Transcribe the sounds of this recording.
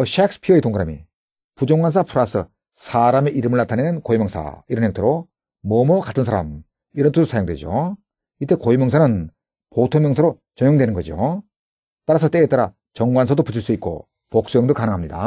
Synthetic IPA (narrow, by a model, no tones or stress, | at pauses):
ʌɕʰak̚s͈ʰɯ̥pʰiʌitoŋɡɯɾamḭ | pud͡ʑoŋɡwans̬ʰapʰuɾasʰɯ | sʰaɾame̞ʔiɾɯmɯɭnatʰanenɯnkoimjʌŋsʰa̰iɾʌnɦeŋtʰoɾo | mʌmʌkatʰɯnsʰaɾa̰m | iɾʌntʰudosʰajoŋdwe̞̰d͡ʑo̰ | it͈e̞koimjʌŋsʰanɯn | potʰoŋmjʌŋsʰaɾo | t͡ɕʌɲjoŋdwe̞nɯnɡʌd͡ʑio | t͈aɾasʰʌt͈eːt͈aɾa | t͡ɕʌŋɡwansʰʌdoput͡ɕʰiɭs͈uik̚k͈o̰ | pok̚s͈jʌŋdokanɯŋɦamɲida̰